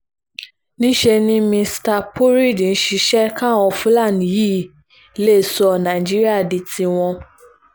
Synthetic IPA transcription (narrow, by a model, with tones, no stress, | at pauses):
nĩ˦ʃe˧nĩ˦mĩ˧sta˧pu˦ɾi˦˨dn̩˦ʃi˧˦ʃɛ˦kã˦ɔ̃˧fũ˦la˦˨nĩ˨jiː˦˨˦ | le˦˨sɔ˧nã˨i˨d͡ʒi˦ɾi˦a˦˨di˧ti˧w̃ɔ̃˧